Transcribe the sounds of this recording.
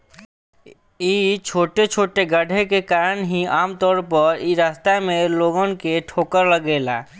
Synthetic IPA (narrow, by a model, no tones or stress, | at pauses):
iːt͡ʃʰoːʈet͡ʃʰoːʈeɡəɖʱekekaːɾənɦiaːmt̪ɔːɾpəɾiɾaːst̪amẽloːɡə̃nkeʈʰoːkəɾləɡeːla̰ː